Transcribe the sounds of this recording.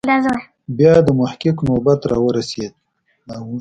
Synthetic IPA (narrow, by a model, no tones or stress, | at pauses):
laz | bjɑd̪əmʊhkɪknobat̪ɾɑwəɾased̪̚ | aw